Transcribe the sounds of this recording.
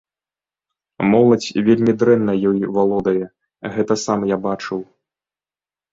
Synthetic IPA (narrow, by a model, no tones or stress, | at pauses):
mɔlˠɐt͡sʲvʲelʲmʲid̪ɾɛnːɐjɔjvalˠɔd̪ɐjɛ | ɣɛt̪ɐsamjabat͡ʂɨw